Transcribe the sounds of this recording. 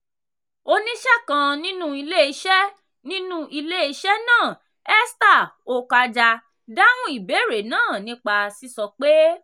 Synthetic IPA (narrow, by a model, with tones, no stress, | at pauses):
o˧nĩ˦ʃɛ˦˨kã˧nĩ˦nũ˦i˧le˦i˧˦ʃɛ˦ | nĩ˦nũ˦ʔi˧le˦i˧ʃɛ˦nãː˦˨ | ɛ˦sta˦˨o˧ka˧d͡ʒa˧ | da˦w̃ũ˦i˦˨be˨˦˨ɾe˨nãː˦˨nĩ˧˦k͡pa˧si˧sɔ˧k͡pe˦